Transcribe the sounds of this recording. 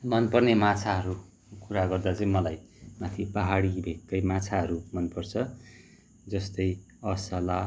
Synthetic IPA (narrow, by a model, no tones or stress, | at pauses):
mʌnpʌrnemãt͡sʰaɦʌɾu | kuɾaɡʌrd̪at͡sʌĩmʌlaj | mat̪ʰipaɦaɽibʱekːʌjmãt͡sʰaɦʌɾumʌnpʌrt͡sʰʌ | d͡zʌst̪ʌj | ʌsʌla